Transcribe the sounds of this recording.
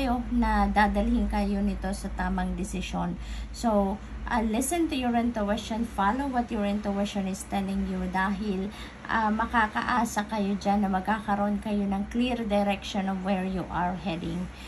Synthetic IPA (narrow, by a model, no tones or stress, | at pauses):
jo̞nɐd̪aːd̪ɐlhɪnkɐjo̞nɪt̪o̞sɐt̪aːmɐŋd̪ɪsɪʃonsow | ʔɐlɪsɛ̃nt̪ʊjʊɹɪ̃nt̪ʊwɛstɔnfalowwɐt̪jɔɹɪnt̪ʊwɛsʃonɪst̪ɛlɪŋjud̪aːɦɪl | ʔɐmɐkaːkɐ̰ʔaːsɐkɐjo̞d͡ʒanːɐmɐɡ̚kaːkɐɾoʔo̞nkɐjo̞nɐŋkliɹd̪ɛɾɛkʃonɔvwɛɹjuʔaɹhɛd̪ɪ̰ŋ